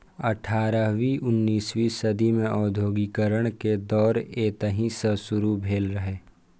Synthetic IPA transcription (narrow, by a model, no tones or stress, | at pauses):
əʈʰaːɾəʋiʔʊnːiːswisəd̪imẽʔɔːd̪ʱjoːɡikəɾəɽ̃ked̪ɔːɾeːt̪əɦĩsəsʊɾubʱeːlɾəɦeː